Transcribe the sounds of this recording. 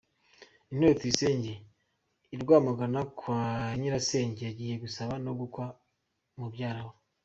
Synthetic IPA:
in̥hwet͡siise̞ːɲɟe | iɾɡwaːmaɡanakwaɲiɾase̞ːɲɟejaɟiːje̞ɡusaβano̞ɡukwa | mubɟaːɾaβo

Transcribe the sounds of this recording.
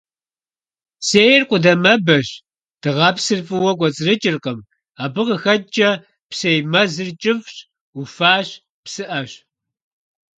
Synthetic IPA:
seːjrqʷʊdɐmɐbɐɕ | d̥ɨʁɑːpsɨrfʼɨwɐkʷɔt͡sʼɨrɨt͡ʃʼɪrqəm | aːbɨʁəxɐt͡ʃʼɐ | psejmɐzɨrt͡ʃʼɪvɕ | ufaːɕ | psɨʔɐɕ

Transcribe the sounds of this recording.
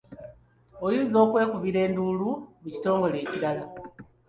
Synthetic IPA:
ojiːzo̞ːkwe̞ːkuviɾe̞ːnduːluβuci̥to̞ːŋɡo̞le̞ːciɾala

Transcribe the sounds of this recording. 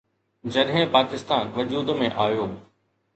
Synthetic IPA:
d͡ʑɐɗɦɪ̃paːkɪst̪aːnʋɐd͡ʑuːd̪mẽʔaːjoː

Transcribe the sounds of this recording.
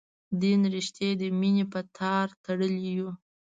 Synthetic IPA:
d̪inɾiʃt̪jed̪əminepət̪ʰɑɾt̪aɽəliju

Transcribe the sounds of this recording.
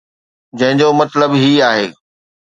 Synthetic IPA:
d͡ʑɐ̃ɦɪ̃ɲd͡ʑomɐt̪ləbɦiaːɦeː

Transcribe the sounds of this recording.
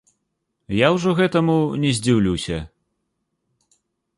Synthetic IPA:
jawʐɔɣɛt̪ɐmunʲɛzʲd͡zʲiwlʲiwsʲɐ

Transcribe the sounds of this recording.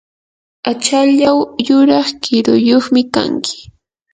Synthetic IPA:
at͡ʃaʎawjʊɾɑχkɪɾʊjoχmɪka̰ŋkʰɪ̥

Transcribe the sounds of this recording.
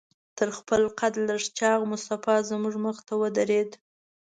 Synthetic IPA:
t̪əɾxpəlqat̪ləʂt͡ʃɑɣmʊst̪afɑzmuʐməxt̪awəd̪aɾed̪

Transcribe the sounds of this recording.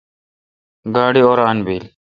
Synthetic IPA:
ɡaːɽioːɾaːnbiːl

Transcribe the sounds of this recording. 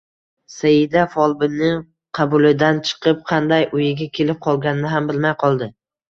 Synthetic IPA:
sajɪd̪afɒlˠbɪnɪ | qʰɑbʊlɪd̪ant͡ʃʰɨ̥qʰɨp̚qʰɑnd̪ajʔʊjɪɡʲakʲʰe̞lɪp̚qʰɒlˠɡʲanɪnɪɦambɪlmajqʰɒlˠd̪ɪ

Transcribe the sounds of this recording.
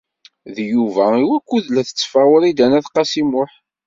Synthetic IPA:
ðjuvæiwækʷːuðlæθə̥t͡sːfæʁʊɾid̪ænæθqɑsimʊħ

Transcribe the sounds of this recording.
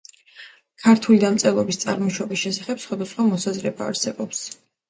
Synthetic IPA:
kʰaɾt̪ʰulid̪amt̪sʼɛlˠɔbist̪sʼaɾmɔʃɔbisʃɛsaχɛpsχwad̪asχwamɔsazɾɛbaːɾsɛbɔps

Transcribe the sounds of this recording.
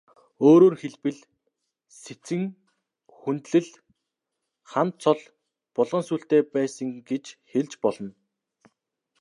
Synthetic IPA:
oːɾoːrxeɮpɘ̆ɮ | set͡sɘ̆ŋ | xunt̪ɮɘ̆ɮ | χant̪t͡sʰɔɮ | pʊɮʁɞ̆nsuːɬt̪eːpæːsə̆ŋɡet͡ɕxeɮt͡ɕpɔɮɞ̆n

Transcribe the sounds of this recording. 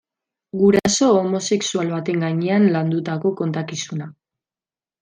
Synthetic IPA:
ɡuɾaso̞ːmo̞se̞ksualβat̪e̞ŋɡaɲeanland̪ut̪ako̞ko̞nt̪akisuna

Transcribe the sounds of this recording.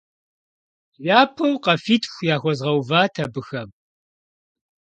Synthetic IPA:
jaːpʰɨwqɐfiːtʰʼxʷjaːxʷɔzʁɐwvaːtʰɐbɨxɐm

